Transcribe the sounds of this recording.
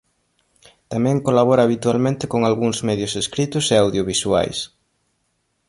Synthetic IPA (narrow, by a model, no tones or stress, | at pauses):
t̪amɛ̃ŋkolaβɔɾaːβit̪ualmẽnt̪ɪkoŋalɣuŋzmeðjʊseskɾit̪ʊseawðjoβiswa̰js